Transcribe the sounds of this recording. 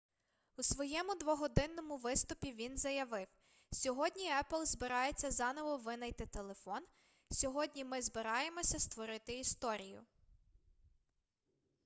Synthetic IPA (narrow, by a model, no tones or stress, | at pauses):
usʋɔjɛmʊd̪ʋɔɦɔd̪ɪnːɔmʊʋɪst̪ʊpʲiʋʲinzɐjɐʋɪw | sʲɔɦɔdʲnʲiɛplˠzbɪɾɑjet͡sʲːɐzɑnɔʋɔʋɪnɐjt̪ɪt̪elˠe̞fɔn | sʲɔɦɔdʲnʲimɪzbɪɾɑje̞mɔsʲɐst̪ʋɔɾɪt̪ɪist̪ɔɾʲijʊ̰